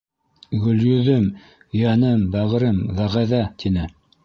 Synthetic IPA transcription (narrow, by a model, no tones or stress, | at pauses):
ɡɵ̆ljɵ̆ðɘm | jænɤmbæʁɤ̆ɾɘmðæʁæðæt̪ʰinɘ